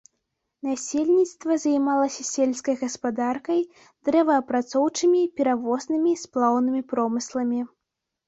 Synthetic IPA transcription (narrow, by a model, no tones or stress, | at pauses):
nasʲelʲnʲit̪st̪vɐzajmalˠɐsʲɐsʲelʲskɐjɣɐspad̪arkɐj | d̪ɾɛvɐːpɾat̪sɔwt͡ʂɨmʲipʲɛɾavɔznɨmʲisplˠawnɨmʲipɾɔmɨslˠɐmʲi